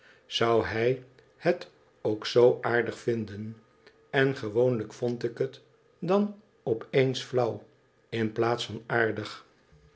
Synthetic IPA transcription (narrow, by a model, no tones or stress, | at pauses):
z̥ʌwɦɛj | hət | owksowʔaːɹdəχfɪndən | ɛnχəʋownləkfɔntɪkɦət | dɑn | ɔpʰejnsflʌw | ɪnplaːtsfɑnaːɹdəχ